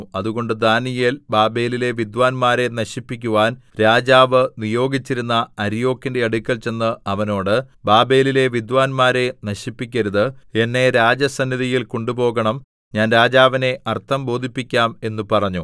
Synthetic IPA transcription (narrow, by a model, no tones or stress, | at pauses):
ɐðuɣo̞ɳɖɨd̪aːnijelbaːbe̞ːlile̞ʋid̪ʋaːnmaːɾe̞nɐɕipːikʲːuʋaːnɾaːd͡ʑaːʋɨnijo̞ːɡit͡ɕːiɾunːɐɐɾijo̞ːkːindeɐɽukʲːɐlt͡ɕe̞nːɨɐʋɐno̞ːɽɨbaːbe̞ːlile̞ʋid̪ʋaːnmaːɾe̞nɐɕipːikʲːɐɾuðɨe̞nːe̞ɾaːd͡ʑɐsɐnːiðijilko̞ɳɖupo̞ːɣɐɳɐm | ɲaːnɾaːd͡ʑaːʋine̞ɐrt̪ʰːɐmbo̞ːd̪ʱipːikʲːaːme̞nːupɐrɐɲːu